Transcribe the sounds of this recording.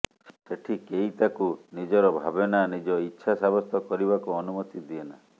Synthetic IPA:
seʈʰikeit̪akunid͡ʒɔɾɔbʱabenanid͡ʒɔitːʃʰasabɔst̪ʰɔkɔɾiβakuɔnumɔt̪id̪iena̰

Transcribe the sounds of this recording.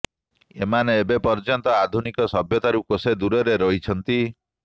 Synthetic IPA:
ḛmaneːbepɔɾd͡ʒɔnt̪ɔad̪ʱunikɔsɔbjɔt̪aɾukosed̪uɾɔɾeɾɔɦit͡ʃʰɔnt̪i

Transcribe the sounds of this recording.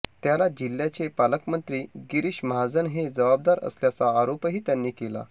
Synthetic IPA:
t̪jalad͡ʑil̤jat͡sepaləkmənt̪ɾiːɡiɾiɕməɦad͡zənɦed͡zəʋab̚d̪aɾə̰sljat͡saːɾopɦiːt̪janːiːkela̰

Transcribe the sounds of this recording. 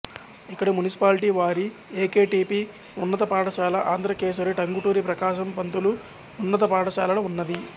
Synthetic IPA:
ikːɐɽimunisi̥paːliʈiːʋaːɾi | eːkeːʈiːpi | unːɐt̪ɐpaːʈɐʃaːlɐʔaːnd̪ɾɐkeːʃɐɾiʈɐŋɡuʈuːɾipɾɐkaːʃɐmpɐnt̪ulu | unːɐt̪̬ɐpaːʈɐʃaːlɐlɐunːɐd̪i

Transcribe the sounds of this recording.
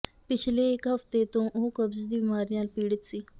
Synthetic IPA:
pɪt͡ɕʰleːkɦɐft̪et̪õːʔokəbzd̪iːbimaːɾjãːlpiːɽət̪siː

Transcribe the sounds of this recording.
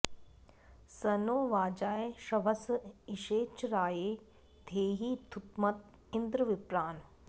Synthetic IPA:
sɐnoːʋaːd͡ʒaːeʃɐʋɐsiʃeːt͡ʃɾaːjeː | d̪ʱeːɦiːt̪ʰut̪mɐt̪̚ | ɪnd̪ɾɨʋɪpɾaːn

